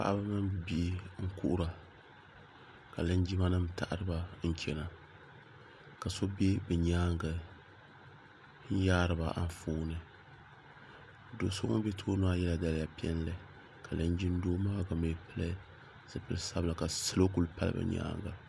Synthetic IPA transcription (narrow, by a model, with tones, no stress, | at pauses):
pa̰˦ʔa˦ba˦mɨ˦m˦bɨ˨bi˦ʔŋ̩˦ku˦ʔʊ˦ɾa˨ | ka˨lɨ˦nd͡ʒi˦ma˦nɨ˦mta˦˨ʔɾɨ˦ba˨n̩˦t͡ʃɛ˨na˨ | ka˨so˦be˦bɨ˨ɲaː˦ŋɡa˨ | n̩˦jaː˦ɾɨ˨ba˨ʔa̰˦n˨fuː˦nɨ˨ | do˨˦so˦ŋo̰˦be˦tʰoː˦no˦a˦jɛ˦la˨da˦lɪ˦ja˨pi˦ɛ̰˦n˦lɨ˨ | ka˨lɨ˦n˦d͡ʒi˦n˦doː˦maː˦˨ɡa˨mɨ˨˦pɨ˦la˦ | zɨ˨pɨ˦lsa˦bla˨ka˨sɨ˦lo˦ku˨lpa̰˦l̰bɨ̰˨ɲa̰ː˦ŋɡa̰˨